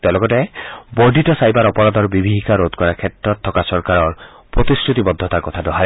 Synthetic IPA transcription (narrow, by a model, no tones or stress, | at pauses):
t̪lɔɡɔtɛbɔɖitɔsajbaɾɔpɔɾad̪ʱɔɾbibʱiɦikaɾod̪kɔɾakʰetɾɔt̪ʰːɔkasɔɾkaɾɔɹ | pɾot̪iskʰɹut̪ibɔd̪ʱːɔt̪aɾkɔt̪ʰadɔɦaɾ